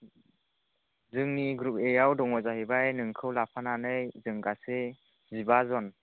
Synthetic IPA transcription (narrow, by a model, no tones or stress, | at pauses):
zɯŋniɡɾup̚ejawdɔŋɔzaɦibajnɯŋkʰɯwlapʰananɯjzɯŋɡase | zibazɔn